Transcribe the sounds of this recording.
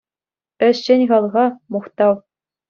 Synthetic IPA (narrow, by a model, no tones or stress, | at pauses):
ɘ̆ɕːenʲʁɑlˠʁɑmuχt̪ɑw